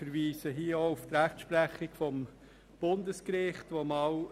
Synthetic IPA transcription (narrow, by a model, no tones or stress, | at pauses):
fəɾʋiːsəɦiəouft̪ɾæχtʃpɾæχɪkfɔm | b̥ʊndəskɾɪχtʋomɑw